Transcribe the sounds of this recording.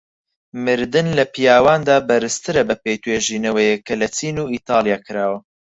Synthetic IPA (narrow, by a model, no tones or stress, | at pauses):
mɨɾd̪ɨnlɐpʰijaːwaːnd̪aːbɐɾɨst̪ʰɨɾɐbɐpejt̪ʰweːʒiːnɐwɛjɛkʰɐlɐt͡sʰiːnuːiːt̪ɑːlˠjaːkʰɨɾaːwɐ